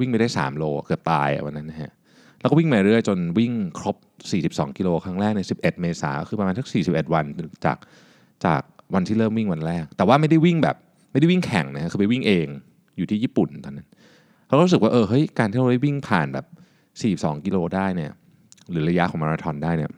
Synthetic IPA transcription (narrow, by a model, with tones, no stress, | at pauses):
wi˥ŋma˥˩jdaː˥˩jsa̰ː˩˦mloː˧˨kɯ˨˩p̚t̪a̰ː˧jʔa̰˨˩wa˧nːa˦˥nːa˦˥kʰa˦˥ | lɛ˦˥wkɔ˥˩wi˥˩ŋmaː˧ɾɯ˥˩əjt͡ɕo˧nwi˥˩ŋkʰɾo˦˥p̚siː˨˩si˨˩p̚sɔ̰ː˩˦ŋki˧loː˧kʰɾa˦˥ŋɾɛː˥˩k̚ni˥˩si˨˩p̚ʔe˨˩t̪̚meː˧sa̰ː˩˦˥xɯ˧pa˧maː˧nsʰa˦˥ksiː˨˩i˨˩p̚ʔe˨˩t̪̚wa˧nt͡ɕa̰ː˨˩k̚ | t͡ɕa̰ː˨˩k̚wa˧nt̪ʰiː˥ɾɤː˥˩mwi˥˩ŋwa˧nɾɛː˥˩k̚t̪ɛː˨˩waː˥˩ma˥˩jda˥˩jwi˥˩ŋbɛ̰˨˩p̚ | ma˥˩jda˥˩wi˥˩ŋkʰɛ̰˨˩˦ŋna˦˥kʰa˦˥kʰɯː˧pa˨jwi˥˩ŋʔeː˧ŋ | juː˨˩iː˥˩iː˥˩pu˨˩nt̪ɔː˧nːa˦˥nʰ | a˦˥wu˦˥sɯ˨˩k̚waː˥˩ʔɤː˧ɦɤ˦˥jkaː˧nt̪ʰiː˥˩ɾa˧da˥˩wi˥˩ŋpʰaː˨˩nbɛ̰ː˨˩p̚ | siː˨˩si˩p̚sɔ̰ː˩˦ŋki˧loː˧daː˥˩jni˥˩ɐ | ɾɯː˩˦ɾa˧ja˦˥ʔkɔː˩˦maː˧ɾa˧t̪ʰɔ˧ndaː˥˩jni˥˩ɐ